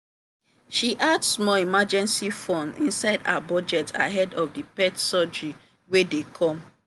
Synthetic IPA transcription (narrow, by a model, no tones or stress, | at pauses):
ʃiʔadsmɔimad͡ʒɛ̃nsifɔ̃nḭ̃nsaɪda̰abɔd͡ʒɛta̰ɦɛdɔfdipɛtsɔd͡ʒɹi | wedekʰɔ̃m